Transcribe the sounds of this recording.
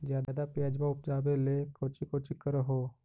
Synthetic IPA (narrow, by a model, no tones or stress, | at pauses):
d͡ʒjaːd̪aːd̪apjad͡ʒbaʊpd͡ʒaːbelekoːt͡ʃikot͡ʃɪkːəɾɦoː